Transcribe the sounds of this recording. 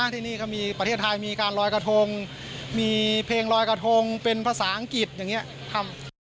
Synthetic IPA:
t̪ʰiː˧˩niː˥˩kʰa˥˩miː˧pɾa˧t̪ʰeː˥˩t̪ʰa˧jmiː˧kaː˧nɾɔː˧jka˧t̪ʰo˧ŋ | miː˧pʰeː˧ŋɾɔː˧jka˧t̪ʰo˧ŋpe˧npʰaː˧saː˩˦ʔa˧ŋki˨˩t̪̚jaː˨˩ŋi˦˥ɐʔ | t̪ʰa˧˩m

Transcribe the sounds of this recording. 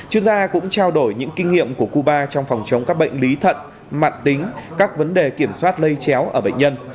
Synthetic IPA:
t͡ɕɨ˧əŋzaː˧kʊ̰˧˥ŋ͡mt͡ɕaː˧wɗo˧˩jɲɨ̰˧˥ŋkï˧ŋ̟ŋḭ˧˨əmku˧˩əku˧ɓaː˧t͡ɕɔ˧wŋ͡mfɔ˨˩wŋ͡mt͡ɕə˨˦wŋ͡mkaː˦˥k̚ɓə̰˧˨jŋ̟li˨˦t̪ʰə̰˧˨n̚ | ma̰ː˧˨nt̪ï˨˦ŋ̟kaː˦˥k̚və˨˦nɗe˨˩ki˧˩əmswaː˦˥t̚lə˧jt͡ɕɛ˨˦wʔəː˧˩ɓə̰˧˨ŋ̟ɲə˧n

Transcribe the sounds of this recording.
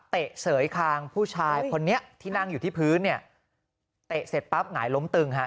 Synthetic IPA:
t̪e˨˩ʔsɤː˩˦jkʰaː˧ŋpʰuː˥˩t͡ɕʰaː˧jkʰo˧nːi˦˥ɐt̪ʰiː˥˩na˥˩ŋjuː˨˩t̪ʰiː˥˩pʰɯː˦˥nːi˥˩ɐ | t̪e˨˩ʔse˨˩t̪̚pa˦˥p̚ŋaː˩˦jlo˦˥mt̪ɯ˧ŋɦa˦˥

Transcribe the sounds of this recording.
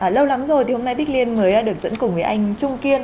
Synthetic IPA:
ʔaː˨˩lə˧wla˨˦mzo˨˩jt̪ʰi˨˩ho˧mna˧jɓi˦˥t̚li˧ənməː˨˦jaː˧ɗɨ˨˩əkzə̰˧˥nkʊ˨˩ŋ͡mvəː˨˦jʔa˧jŋ̟t͡ɕʊ˧ŋ͡mki˧ən

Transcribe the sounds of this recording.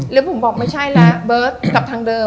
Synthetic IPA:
lɛ˨˦˥wpʰo˨˩˦ɓɔː˨˩k̚ma˥˩jt͡ɕʰa˥˩jlaː˨˩bɤː˨˦˥t̪̚ka˨˩p̚t̪ʰaː˧ŋdəː˨˧

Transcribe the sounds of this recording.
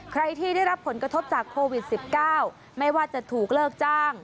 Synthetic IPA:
kʰɾa˧jt̪ʰiː˥˩da˥˩jɾa˦˥pʰːo˩˦nkɾa˧t̪ʰo˦˥p̚t͡ɕaː˨˩kʰːoː˧wi˨˩t̪̚si˨˩p̚kaː˥˩w | ma˥˩jwaː˥˩t͡ɕa˨˩t̪ʰuː˨˩k̚lɤː˥˩k̚t͡ɕaː˥˩ŋ

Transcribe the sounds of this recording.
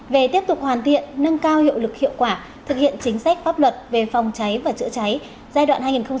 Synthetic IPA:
ve˨˩t̪i˦˥əp̚t̪ʊ˨˩k͡p̚hwaː˨˩nt̪ʰḭ˧˨ənːə˧ŋkaː˧whḭ˧˨wlɨ˨˩k̚hḭ˧˨əwkwaː˧˩ | t̪ʰɨ˨˩k̚hḭ˧˨ənt͡ɕï˨˦ŋ̟sa˦˥k̚faː˦˥p̚lwə˨˩t̚ve˨˩fa˨˩wŋ͡mt͡ɕa˨˦jvaː˨˩t͡ɕɨ̰˧˥ət͡ɕa˨˦j | zaː˧dɗwa̰ː˧˨nhaː˧jŋi˨˩xə˧ŋ͡m

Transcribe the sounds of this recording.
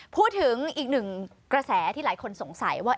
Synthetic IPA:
pʰuː˥˩t̪̚ʰːɯ˩˦ŋʔiː˨˩k̚nɯ˨˩ŋ | kɾa˧sɛː˩˦t̪ʰiː˥˩laː˩˦jkʰo˧nso˩˦ŋsa̰˩˦jwaː˥˩

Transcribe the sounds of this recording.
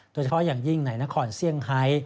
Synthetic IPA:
d̪̥o˧˩t͡ɕʰa˧pʰjaː˨˩ŋji˥˩ŋna˨˩˦jna˦˥kʰɔː˧nsi˥˩əŋha˦˥j

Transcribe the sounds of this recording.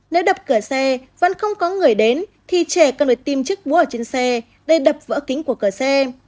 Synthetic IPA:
ne˨˦wɗə˨˩p̚kɨ˧˩əsɛ˧və̰˧˥nxə˧wŋ͡mkɔ˨˦ŋɨ˨˩əjɗe˨˦nt̪ʰi˨˩t͡ɕɛ˧˩kə˨˩nɓə˧˩jt̪i˧mt͡ɕɨ˦˥k̚ɓu˨˦ʔəː˧˩t͡ɕe˧nsɛ˧ | ɗə˧jɗə˨˩p̚və̰ː˧˥kï˨˦ŋ̟ku˧˩əkɨ˧˩əsɛ˧

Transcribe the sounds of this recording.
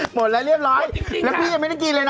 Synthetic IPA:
mo˨˩t̚laː˧˦˥ɾi˥˩əp̚ɾɔː˦˥jlɛː˦˥kʰiː˦˥˩ja˧ŋm˥˩˥kiː˧lɤː˧na˦

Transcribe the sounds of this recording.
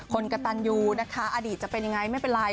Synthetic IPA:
kʰo˧nka˧t̪a˧njuː˧na˦˥kʰa˦˥ʔaː˧diː˨˩t̪̚t͡ɕa˨˩pe˧nja˧ŋa˧jma˥˩jpe˧nɾaː˧

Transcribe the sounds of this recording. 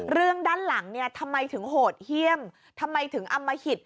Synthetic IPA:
ɾɯ˥˩əŋdaː˥˩˨nla˩˦ŋni˥˩ət̪ʰa˧mːa˧jt̪ʰɯ˩˦ŋɦoː˨˩t̪̚hi˥˩əm | t̪ʰa˧mːa˧jt̪ʰɯ˩˦ŋʔa˧mːa˧hi˨˩t̪̚

